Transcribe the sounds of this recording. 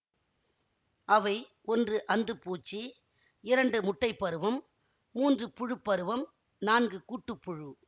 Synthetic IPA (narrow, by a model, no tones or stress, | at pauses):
ɐʋɐɪʔɔndrɯʔɐnd̪ɯpuːt͡ʃːi | ɪɾɐɳɖɯmʊʈːɐɪpːɐɾɯʋɐmː | uːndrɯpʊɻɯpːɐɾɯʋɐm | naːnɡɯkuːʈːɯpːʊɻɯ